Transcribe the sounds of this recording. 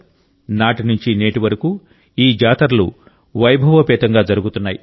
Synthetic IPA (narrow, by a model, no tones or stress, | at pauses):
naːʈinuɲt͡ʃine̞ːʈiʋɐɾɐku | iːd͡ʒaːt̪ɐɾɐlṵ | ʋɐjbʱɐʋɐpɛːt̪ɐŋɡaːd͡ʒɐɾuɡut̪unːaːji